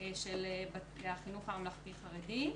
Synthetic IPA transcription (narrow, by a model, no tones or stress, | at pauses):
ʃelebaaχinufaamlaχpiχaʁedi